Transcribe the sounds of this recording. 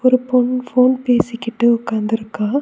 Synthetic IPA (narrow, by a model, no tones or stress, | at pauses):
ɔɾɯpːɔnfoːnpeːsɪkːɪʈːɯʊkːaːnd̪ɪɾɯkːãː